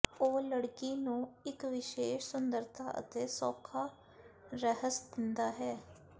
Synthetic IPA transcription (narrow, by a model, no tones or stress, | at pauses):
oːləɽkiːnũːɪkʋɪʃeːʃsʊnd̪əɾt̪ʰa̰ːʔə̰t̪eːsɔːkʰaː | ɾəɦəsd̪ɪnd̪aːɦɛː